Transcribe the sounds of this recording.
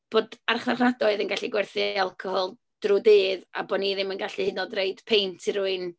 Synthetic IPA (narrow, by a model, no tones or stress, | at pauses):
b̥oːdarχarχnadɔɨðənɡaɬiɡwɛrθɨalˠkʰɔhɔlˠ | d̥rudɨːða̰bɔniðɪmənɡaɬihɨnɔdreɨd̥pʰejntʰiɾʊɨn